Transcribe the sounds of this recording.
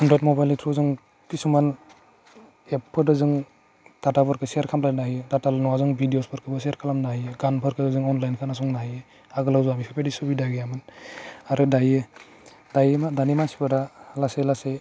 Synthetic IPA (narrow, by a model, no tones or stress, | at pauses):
ɯndɾat̚mɔbajlitʰɾɔzɯŋ | kisuman | epʰːɯdɯzɯŋ | d̥atapɔɾkʰɯsiaɾkʰamlanaɦijedatalnɔazɯŋbʱidiospʰɯɾkʰɯbɯsiaɾkʰalamnaɦijeɡanpʰɯɾkʰɯdɯzɯŋɔnlajnkʰanas̬uŋnaɦije | aɡɯlawzuamipʰepʰedisubidaɡijamɯnaɾɯdaje | d̥ajemadanimansi̥pʰɯdalaselase